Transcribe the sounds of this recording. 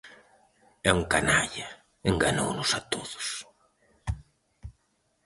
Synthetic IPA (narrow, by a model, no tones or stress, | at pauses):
ɛuŋkanaʎa | eŋɡanownʊsat̪oðʊ̥s